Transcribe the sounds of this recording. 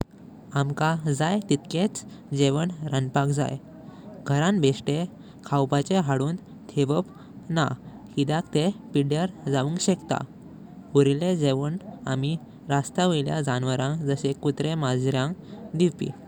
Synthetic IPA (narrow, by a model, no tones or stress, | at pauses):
amkad͡zajt̪it̪ket͡s | d͡ʑeʋəɳɾənpakd͡za̰j | ɡʱəɾãnbʱesʈe | kʰawpat͡ɕeɦaɽuːn | t̪ʰeʋəp | na | hid̪akt̪epiɽjaɾd͡zaʋuŋkɕekt̪a̰ | uɾiled͡zeʋəɳami | ɾast̪aʋəjlja̰d͡zanʋəɾãŋkd͡zəɕekut̪ɾemad͡zɾjãŋd̪iʋpḭ